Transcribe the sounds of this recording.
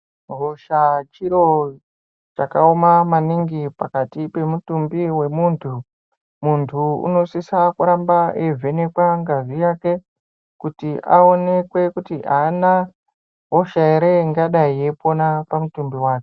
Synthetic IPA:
ɡoʃat͡ʃiɾo̞ | t͡ʃakaomamaniŋɡipakatipe̞mutumbiwe̞muːntʰu | muntʰuṵno̞sisakuɾambaevʱe̞ne̞kwaŋɡazijake̞ | kutiʔao̞ne̞kwe̞kutiʔaːna | ɦoʃaeɾeŋɡaɗaije̞po̞napamutumbiwaːke

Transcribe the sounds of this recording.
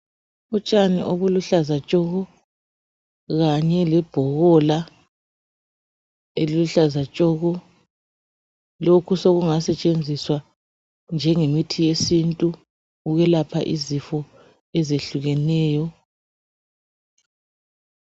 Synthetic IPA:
ut͡ʃʼanḭʔoβuluɬazat͡ʃʼɔɣɔ | ɣaɲɛlɛb̥ʱɔɣɔla | eliluɬazat͡ʃʼɔɣɔ | lokʰusoɣuŋasɛt͡ʃʼend͡zʱiswa | nd͡ʒʱɛŋemitʰijesintʼu | uɣɛlapʰa̰ʔizifɔ | ɛzeɬuɣɛnɛːjɔ

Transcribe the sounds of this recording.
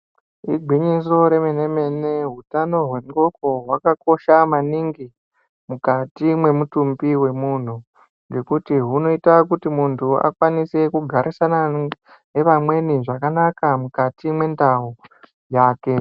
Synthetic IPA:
ḭɡʱiɲis̬o̞ɾe̞mene̞me̞ne̞ɦutano̞ɦwe̞ŋɡo̞ko̞ɦwakako̞ʃamaniŋɡi | mukatimwe̞mutumbiwe̞mun̤u | ŋɡe̞kutiɦuno̞itakutimuntʰua̰kwanise̞kuɡʱaɾisana | ne̞ʋamwe̞niʐakanakamukatimwe̞ndau | jaːke̞

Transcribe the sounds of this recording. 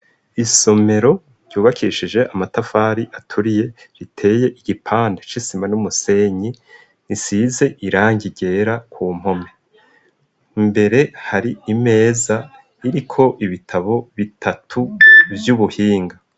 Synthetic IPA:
iso̞me̞ɾo̞ | ɾɟ̥uːβakʰiːʃid͡ʒe̞ʔamatafaːɾiʔatʰuɾije̞ | ɾitʰe̞ːje̞ʔiɡ̥ipʰaːndet͡ʃisimanumuse̞ɲi | nisize̞ʔiɾaːɲɟiɟe̞ːɾakʰuːm̥o̞me̞ | mbe̞ɾe̞haɾiime̞ːza | iɾikʰo̞ʔiβitʰaβo̞βitʰatʰubjuβuhiːŋɡa

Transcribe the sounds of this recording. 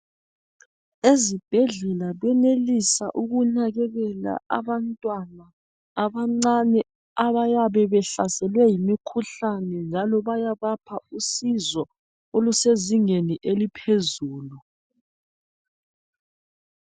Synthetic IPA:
ezib̥ʱɛɮɛlaβɛnelisaʔuɣunaɣɛɣɛla̰ʔa̰βantʼwanaː | βaŋ͡ǀanɛ | aβajaβɛβɛɬasɛlwɛjimikʰuɬanɛnd͡ʒʱalɔβajaβapʰausizɔ | oluseziŋeniʔelipʰezuːlu

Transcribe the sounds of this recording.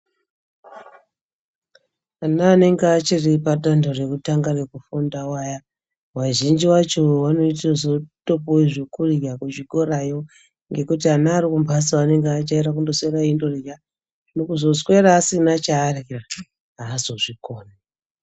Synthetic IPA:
anaːne̞ŋɡeat͡ʃiripaɗandore̞kutaŋɡare̞kufundawaja | waʒind͡ʒiwat͡ʃo̞wano̞itozotopoiʐekuriɡakut͡ʃiko̞ɾajo̞ | ŋɡe̞kutianaːɾikumbʱasane̞ŋɡeat͡ʃaiɾakundosweɾaindo̞riɡa | nokuzo̞swe̞ɾaːsinat͡ʃaːrekra | ɦaːzo̞ʐikoːna

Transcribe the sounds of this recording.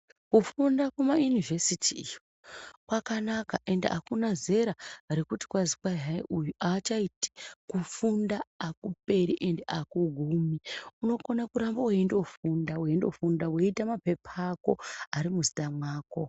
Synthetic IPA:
kufundakumajunive̞sitʰiːjo | kwakanakaʔe̞ndḛʔakunaze̞ɾaaɾikuti̥kwazikwaaḭʔujuʔaːt͡ʃaiti̥kufundaakupe̞ɾiʔendeʔakuɡʱumiuno̞konakuɾamboweindo̞fundaweindo̞̰fundaweitamape̞pʰako̞̰aɾimuzitamwaːko̞

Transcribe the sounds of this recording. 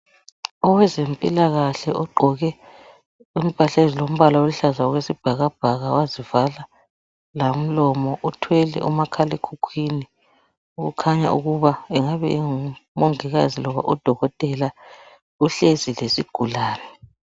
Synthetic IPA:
ɔwɛzempʼilaɣaɬɛʔɔɡ͡ǃʱɔɣɛ | um̩pʰʼaɬezilom̩βalaoluɬazaɔɣwesib̥ʱaɣab̥ʱaɣa̰wazivala | lam̩lɔmɔʔutʰwɛlɛ̰ʔumakʰalɛkʰukʰwini | uɣukʰaɲa̰ʔuɣuβaɛŋaβɛ̰iŋumoŋiɣazilɔβa̰ʔud̥ʱɔɣɔtʼɛla | uɬezilesiɡ̥ʱulaːnɛ

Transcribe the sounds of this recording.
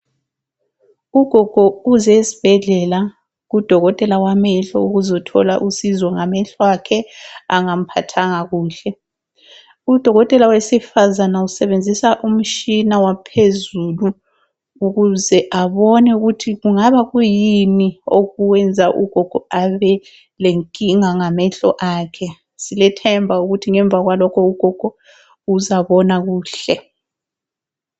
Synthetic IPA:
uɡ̥ʱɔɡ̥ʱɔuzɛsi̥b̥ʱɛɮɛla | ɣud̥ʱɔɣɔtʼɛlawamɛɬɔ̰uɣuzɔtʰɔ̰la̰ʔusizɔŋamɛɬwakʰɛaŋam̩pʰa̰tʰaŋaɣuːɬɛ | ud̥ʱɔɣɔtʼɛlawesifazanausɛβend͡zʱisaʔum̩t͡ʃinawapʰezulu | uɣuzɛʔaβɔnɛuɣutʰiɣuŋaβaɣujinioɣuwɛnd͡zʱaʔṵɡ̥ʱɔɡ̥ʱɔaβɛ | leŋkʼiŋaŋamɛɬɔ̰ʔaːkʰɛ | silɛtʰɛmbʱauɣutʰiŋɛɱb̪vʱaɣwalɔkʰɔuɡ̥ʱɔɡ̥ʱɔ | uzaβɔnaɣuːɬɛ

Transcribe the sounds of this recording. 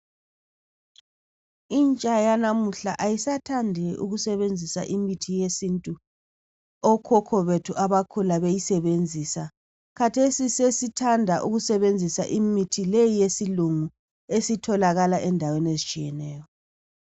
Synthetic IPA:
int͡ʃʼajanamuɬa̰ʔajisatʰandʱɛʔṵɣusɛβend͡zʱisa̰ʔimitʰijesintʼu | ɔkʰɔkʰɔβetʰuʔaβakʰulaβejisɛβend͡zʱisa | kʰatʰesisesitʰandʱaʔuɣusɛβend͡zʱisa̰ʔimitʰilejijesiluŋu | esitʰɔlaɣalaʔɛndʱawenezit͡ʃʼijɛnɛːjɔ

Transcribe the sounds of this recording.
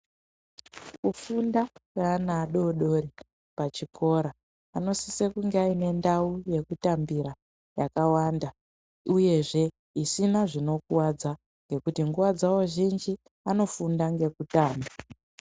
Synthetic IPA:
kufundakanaːɗo̞ɗo̞ɾi | pat͡ʃikʰo̞ɾaː | no̞sisekuŋɡeaine̞ndauje̞kutambiɾa | jakawaːnda | uje̞ʐe̞ | isinaʐino̞kuwad͡za | ŋɡe̞kutiŋɡuwad͡zawoʒind͡ʒi | ano̞fundaŋɡe̞kutaːmba

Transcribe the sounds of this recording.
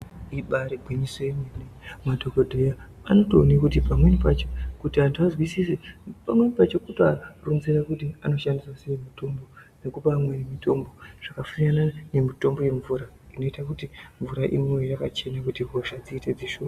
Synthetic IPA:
iɓaɾeɡʱwimisenenemadʱokodʱeja | a̰no̞toːnikutipamwenipat͡ʃokutiantuazwisisipamwe̞nipat͡ʃo̞kutarunzerakutiano̞ʃandiswaseemito̞mbo̞ | ne̞kupamwenemito̞mbo̞ʐ̥akafunanane̞mito̞mbo̞je̞ɱvuːɾa | ino̞itakutiɱvuɾaʔḭmeejakat͡ʃe̞nakutiɡʱo̞ʃad͡ziːted͡ziʃoa

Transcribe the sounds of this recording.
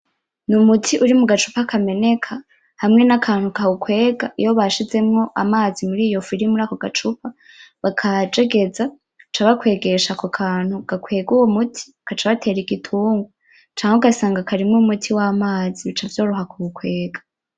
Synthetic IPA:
numutʰiʔuɾimuɡat͡ʃu̥pakʰame̞ne̞kʰa | hamŋe̞nakʰaːn̥hukaukwe̞ːɡaʔijoβaʃize̞mŋo̞ʔa̰maːzimuɾiːjo̞fiɾimuɾaːko̞ɡat͡ʃupʰa | βakʰad͡ʒeɡe̞d͡za | t͡ʃaβakwe̞ːɡe̞ʃakokʰaːn̥huɡ̥akwe̞ːɡuwomutʰi̥ | kat͡ʃaβatʰe̞ːɾiɡitʰuːŋɡo | t͡ʃaːŋeuɡasaːŋɡakʰaɾimŋumutʰiwamaːziβit͡ʃavjoːɾuɦakuukwe̞ːɡḁ

